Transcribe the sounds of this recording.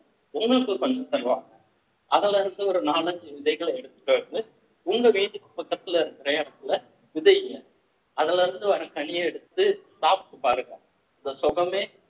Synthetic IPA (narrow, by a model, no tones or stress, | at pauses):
ʊŋɡɐɭɯkːɯkːɔɲd͡ʒɐ̃sɐlʋaːŋɡɐ | ʔɐðɐlɐɾɯnd̪ɯɔɾɯnaːlɐɲd͡ʒiʋɪðɐɪɣɐɭɛɽɯt̪ːɯ̥ʈːɐɾðɯ | ʊŋɡɐʋeːnd͡ʒɯkːɯpːɐkːɐt̪ːɯlɐɪɾɯkɪɾɐɐnɐt̪ːɯlɐ | ʋɪðɐɪɐɐ | ɐðɐlɐɾɯnd̪ɯʋɐɾɐkɐɳɪjɐɛɽɯt̪ːɯsaːpɯkːɯpaːɾɯŋɡɐ | ɐnd̪ɐsɔɣɐmeː